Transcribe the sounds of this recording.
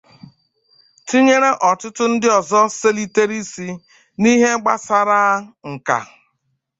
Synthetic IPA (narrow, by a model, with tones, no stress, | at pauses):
ti˦ɲe˦ɾe˦ʔɔ˨tʊ˦tʊ˦n̩˦dɪ˦ɔ˨zɔ˦se˦li˦te˦ɾi˦si˦ | ni˦ɦe˦ɡ͡ba˦sa˨ɾa˦ŋ̩˨ka̰˨